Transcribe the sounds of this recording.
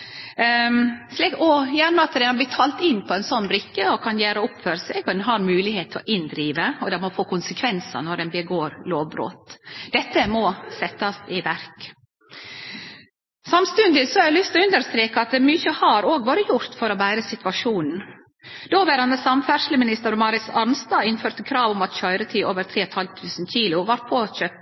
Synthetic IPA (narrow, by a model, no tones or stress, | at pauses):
slikɔjæɳəɑt̪d̪ɛnɑb̪ɪt̪ʰɑːlt̪ɪnːpʰɔɛnsɔnːbɾɪkːəɔkʰɑnjæːɾəʊpføːɾəsɛːɡɔd̪ɛnɦɑɾmʉːlɪheːt̪ʰːɔʔɪnd̪ɾiːʋəɔd̪ɛmɔfoːkʰʊnsəkʰʋɛnsə̰nɔɾdɛnbəɡoːɾloːʋbɾo̰ːt̪d̪̥ɛt̪ːəmɔsɛt̪ːɑsɪʋæɾk | sɑmst̪ʉnd̪ɪsɔɛɾlʏst̪ɔʉnd̪əɾst̪ɾeːkəɑt̪̚d̪ɛmyçəhɑɾoːɡʋoːɾəjʊɾt̪fɔɾɔbæɪɾəsɪt̪ʋɑʂuːnn̩ | d̪̥oʋɛɾɑnəsɑmfæʂlɪmɪnɪst̪əɾmɑɾɪsɑɾnst̪ɑːɪnføːɾt̪əkʰɾɑːʋʊmɑt̪çœʏɾət̪ʰiːʔoːʋəɾt̪ʰɾeːɔt̪hɑlt̪ʰʉːsn̩çiːlʊʋɑɾt̪̚pʰɔçøːp